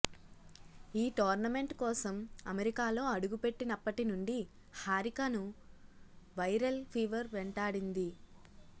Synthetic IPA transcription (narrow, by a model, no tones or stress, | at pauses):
iːʈɔːɾnɐme̞ɳʈkɔːsɐmɐ̰meɾikaːlo̞ːɐɽuɡupe̞ʈːinɐpːɐʈinuɳɖi | haːɾikanu | ʋɐjɾɐlpʰiːʋɐɾʋɛɳʈaːɽind̪i